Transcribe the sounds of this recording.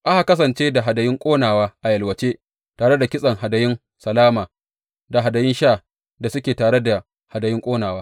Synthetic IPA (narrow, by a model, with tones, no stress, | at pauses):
ʔa˦ha˨kɐ˦s̬ɐ˨nt͡ʃeː˦da˨ɦa˨dɐ˨jɪ˦ŋkʷʼoː˦naː˨waː˦ʔa˨jɐ˨lwɐ˨t͡ʃeː˦ | taː˨ɽe˦da˨kʲɪ˦sʼɐ˨ŋɦa˨dɐ˨jɪ˦n | sɐ˨laː˦maː˨ | da˨ɦa˨dɐ˨jɪ˦nʃaː˦˨ | da˨sʊ˦kʲeː˨taː˨ɽe˦da˨ | ha˨dɐ˨jɪ˦ŋkʷʼoː˦naː˨waː˦